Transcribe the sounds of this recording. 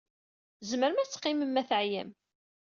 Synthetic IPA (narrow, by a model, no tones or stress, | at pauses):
zməɾəmæt͡sːqːiməmːæθʕjæ̰m